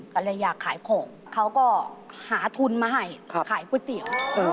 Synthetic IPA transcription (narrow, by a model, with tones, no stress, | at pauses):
ka˧˩lɯ˧˨jaː˨˩kʰːaː˨˩˦jkʰoː˨˩˦ŋ | kʰa˧˥˩wkɔː˧˩haː˩˦t̪ʰu˧nmaː˧ɦa˧˩jkʰaː˨˦jkʰu˧˥˦t̪i˨˩əw